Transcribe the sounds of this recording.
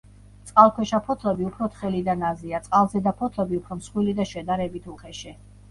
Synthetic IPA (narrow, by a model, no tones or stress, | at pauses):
t̪sʼqʼalˠkʰwɛʃapʰɔt̪ʰlɛbiupʰɾɔt̪χɛlid̪anaziat̪sʼqʼalˠzɛd̪apʰɔt̪ʰlɛbiupʰɾɔmsχwilid̪aʃɛd̪aɾɛbit̪ʰuχʰɛʃɛ